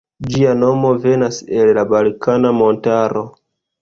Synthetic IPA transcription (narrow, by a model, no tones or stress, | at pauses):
d͡ʒiano̞mo̞ve̞nase̞llabalkanamo̞ntaɾo̞